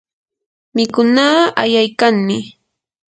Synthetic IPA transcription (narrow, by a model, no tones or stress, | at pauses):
mɪkʊnaːajajkaŋmɪ